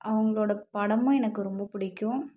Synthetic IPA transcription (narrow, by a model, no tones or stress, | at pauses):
ʔɐʋɐŋɡɐɭoːɽɐpɐɽɐmɐ̃ɛnɐkːɯɾɔmbɐpʊɽɪkʲːʊ̃